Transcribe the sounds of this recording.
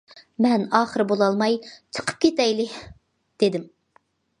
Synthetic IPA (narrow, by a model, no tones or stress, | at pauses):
mɛnɑːχəɾɨbolˠɑlˠmɑjt͡ʃʰə̥qʰə̥p̚kʲʰet̪ɛjlɪ | d̪̥ed̪ɪm